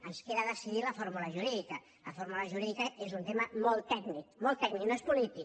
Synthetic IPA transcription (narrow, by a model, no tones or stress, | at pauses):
ənskeðəðəsiðiləfoɾmuləʒuɾiðikə | ləfoɾmuləʒuɾiðikəezunt̪eməmolˠt̪ːɛknik̚molˠt̪ːɛkniknoespulit̪ik